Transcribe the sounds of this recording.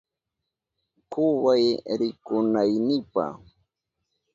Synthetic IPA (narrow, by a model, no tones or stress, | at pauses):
kʊwajɾɪkʊnajnɪpa̰